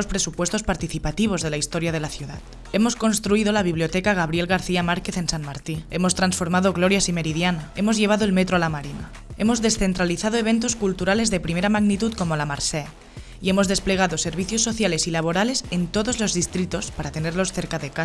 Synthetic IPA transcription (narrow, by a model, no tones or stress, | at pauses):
ospɾe̞supwe̞st̪o̞spaɾt̪iθipat̪iβ̞o̞zðe̞laist̪o̞ɾjaðe̞laθjuða̰t̪ | e̞mo̞sko̞nst̪ɾuiðolaβ̞iβlijot̪ekaɣ̞aβɾije̞lɣaɾθiamaɾke̞θe̞nsanmaɾt̪ie̞mo̞st̪ɾansfo̞ɾmaðoɣlo̞ɾjasime̞ɾiðjanae̞mo̞zʝe̞β̞aðoe̞lmet̪ɾoalamaɾina̰ | e̞mo̞zðe̞sθe̞nt̪ɾaliθaðoe̞β̞e̞nt̪oskult̪uɾale̞zðe̞pɾimeɾamaɣnit̪ut̪̚ko̞mo̞lamaɾse | ie̞mo̞zðe̞sple̞ɣ̞aðo̞se̞ɾβ̞iθjo̞sːo̞θjale̞silaβ̞o̞ɾale̞se̞nt̪o̞ðo̞zlo̞zðist̪ɾit̪o̞spaɾat̪e̞ne̞ɾlo̞sθeɾkaðeka